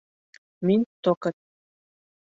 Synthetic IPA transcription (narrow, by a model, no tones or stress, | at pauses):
minʲt̪okɤ̆t̪̚